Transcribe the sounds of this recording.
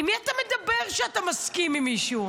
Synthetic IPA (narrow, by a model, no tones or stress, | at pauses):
miatamed̪abe̞ʁʃeatamaskimːimiʃu